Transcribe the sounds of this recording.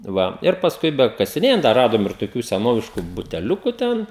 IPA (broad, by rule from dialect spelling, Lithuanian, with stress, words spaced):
ˈʋɐ ɪr pɐsˈkʊɪ bʲɛkɐsʲɪˈnʲeːjɛnt dɐ ˈrɑːdoːm ɪr toːˈkʲuː sʲɛˈnoːʋʲɪʃkʊ bʊtʲɛˈlʲʊkʊ ˈtʲɛn